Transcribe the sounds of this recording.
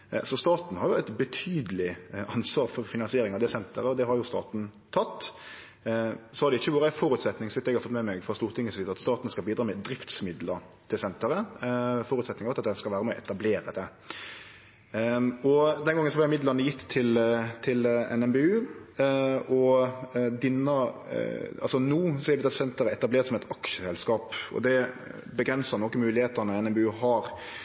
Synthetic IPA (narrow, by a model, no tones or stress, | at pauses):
sɔst̪ɑːt̪n̩hɑɾjʊɛɪt̪bɛt̪ʰyːd̪əlɪʔɑnsʋɑːɾfɔɾfɪnɑnsɪeːɾɪŋɑʋd̪ɛsɛnt̪ʰəɾəɔd̪ɛɦɑɾjʊst̪ɑ̰ːt̪n̩t̪ʰɑt̪ː | sɔhɑɾd̪ɛɪçːəʋuːɾəæɪfɔːɾʉt̪sɛt̪nɪŋsɔʋɪt̪ːɛɡhɑɾfɔt̪mɛmɛɡfɾʁɑst̪uːʁt̪ʰɪŋːəsiːd̪əɑt̪st̪ɑːt̪n̩skɑlbiːd̪ɾɑːmɛd̪ɾɪft̪smɪd̪ləɾt̪ʰɪlsɛnt̪əɾəfɔːɾʉt̪sɛt̪nɪŋɑʋt̪ɑt̪d̪ɛnskɑʋæːɾəmɛɔ̰ʔɛt̪ɑbleːɾəd̪ɛ | ɔd̪ɛnɡɑŋːənsɔhɑljɪmɪd̪lɑnəjɪt̪ʰːɪlt̪ʰɪlɛ̰nɛmbeʉː | ɔ | d̪ɪnːə | ɑlsɔnuːsɛb̪ɑt̪sɛnt̪əɾəɛt̪ɑbleːɾt̪sɔmɛt̪ɑkʃəsɛlskɑːpɔ̰d̪ɛ | bəɡɾɛnsɑnɔkːəmʉːlɪheːt̪ɑnəɛnɛmbɛʉːɦɑɾ